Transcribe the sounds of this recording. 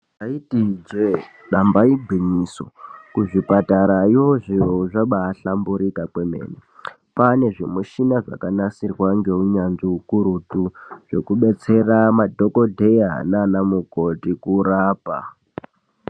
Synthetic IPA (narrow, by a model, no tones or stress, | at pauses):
aitid͡ʒe | ɗambaiɡʱiɲiso̰kuʐipataɾajoʐijouʐaɓaːɬambuɾikakwemḛːne | pane̞ʐimuʃinaʐa̰kanasirwaŋɡe̞uɲanʐiukuɾutuʐ̥e̞kuɓe̞t͡se̞ramadʱo̞ko̞dʱe̞anaːnamuko̞tikuɾaːpa̰